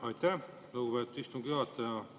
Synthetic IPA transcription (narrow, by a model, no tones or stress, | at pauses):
ɑjt̪ːæ | luɡupeːt̪ːˑud̪̥ist̪umɡ̥yɑt̪ːˑɑjɑ